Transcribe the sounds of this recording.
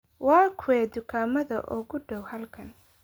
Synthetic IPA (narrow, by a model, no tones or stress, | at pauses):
wɑːkʰʊwɛːd̪ʊkʰaːmɐðɐ̰ʔʊ̰ɣʊɖɔwhɐlkʰɐn